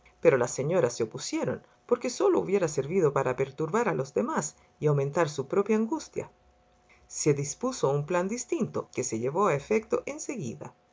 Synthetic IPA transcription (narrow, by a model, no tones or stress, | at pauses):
pe̞ɾo̞lasːe̞ɲo̞ɾaseopusje̞ɾo̞̰n | poɾke̞so̞lo̞ṵβje̞ɾase̞ɾβiðo̞paɾape̞ɾt̪uɾβaɾalo̞zðemas | iawmẽnt̪aɾsupɾo̞pjaːŋɡust̪ja̰ | se̞ðispusoumpland̪ist̪int̪o̞̰ke̞se̞ʎeβo̞aefe̞k̚t̪o̞ʔe̞nse̞ɣḭða̰